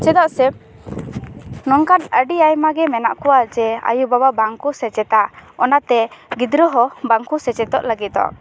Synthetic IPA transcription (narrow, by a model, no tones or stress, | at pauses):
t͡ʃɛd̪ɔʔsɛp̚ | nɔŋkanəɖiajmaɡɛmɛnaʔkɔwad͡ʒɛa̰jubababaŋkusɛt͡ʃɛt̪aɔnat̪ɛɡid̪ɾɔɦɔbaŋkusɛt͡ʃɛt̪ɔ̰ʔləɡit̪̚ɔ̰ʔ